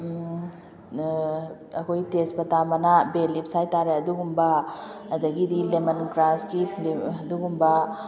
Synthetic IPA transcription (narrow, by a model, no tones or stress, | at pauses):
ɐkʰojtesbɐtamɐnabelip̚sajtaɾeɐduɡumbɐːdɐɡidilemɐnkɾaskileɐduɡumbɐ